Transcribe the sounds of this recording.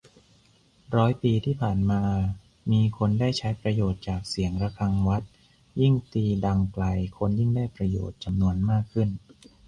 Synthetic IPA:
ɾɔː˦˥jpiː˧t̪ʰiː˥˩pʰaː˨˩nmaː˧ | miː˧kʰo˧ndaː˥˩jt͡ɕʰa˦˥jpɾa˧joː˨˩t̪̚t͡ɕaː˨˩k̚si˩˦əŋɾa˧kʰa˧ŋwa˦˥t̪̚ | ji˥˩ŋt̪iː˧da˧ŋkla˧jkʰo˧nji˥˩ŋdaː˥˩jpɾa˧jo̰ː˨˩t̪̚t͡ɕa˧mnu˧ənmaː˥˩kʰːɯ˥˩n

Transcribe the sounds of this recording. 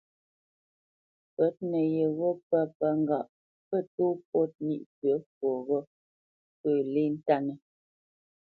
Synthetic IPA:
pɛ˨˦t̚nə˨jɛ˨ɣɔ˦pa˦pa˦ŋ˦ɡa˨ʔ | pə˦˨tu˦p̚ɔ˦t̚nḭ˦˨ʔtə˨˦fwɔ˨ɣɔ˦ | pəː˦˨li˦n̩˦ta˦nə˨

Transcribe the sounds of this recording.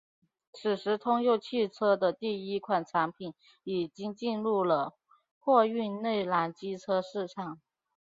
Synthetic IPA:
t͡sʰɹ̩˨˩ʂɻ̩˧˥t̪ʰʊ˥ŋjo˥˧ʊt͡ɕʰi˥˩ʈ͡ʂʰɤ˥d̪ə˨t̪i˥˩i˥kʰwa˨˩nʈ͡ʂʰa˧˥npʰi˨˩˦n | i˨˩t͡ɕi˥ŋt͡ɕi˥˧nɻu˥˩lə˩ | xwɔ˥˧y˥˧nne˥˩ɪla˧˥nt͡ɕi˥ʈ͡ʂʰɤ˥ʂɻ̩˥˩ʈ͡ʂʰɑ˨˩˦ŋ

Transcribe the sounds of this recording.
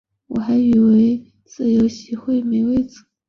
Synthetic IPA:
wɔ˨˩xa˧˥ɪy˨˩we˧˥ɪ | t͡sɹ̩˥˩jo˧˥ʊɕi˧˥xwe˥˩ɪme˧˥ɪwe˥˩ɪt͡sɹ̩˨˧˩

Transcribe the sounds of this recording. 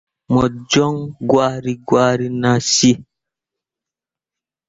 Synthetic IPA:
mɔ˨d͡ʒɔ˦ŋɡwa˦ɾi˨ɡwa˦ɾi˦nã˨si˦

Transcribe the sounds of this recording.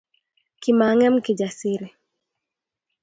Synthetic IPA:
ki˨ma˨ŋɛ˦mki˨d͡ʒa˨si˦ɾi˨

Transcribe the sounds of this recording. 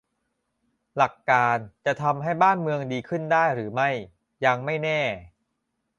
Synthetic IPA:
la˨˩kːaː˧nt͡ɕa˨˩t̪ʰa˧mɦa˥˩jbaː˥˩nmɯ˧əŋdiː˧kʰɯ˥˩ndaː˥˩jɾɯː˩˦ma˥˩j | ja˧ŋma˥˩jnɛː˥˩

